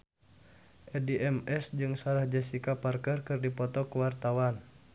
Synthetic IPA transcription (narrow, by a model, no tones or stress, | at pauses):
ʔɛdiʔɛmɛsd͡ʒɨŋsaɾahd͡ʒɛsikaparkərkɨrdipɔt̪ɔkuwart̪awan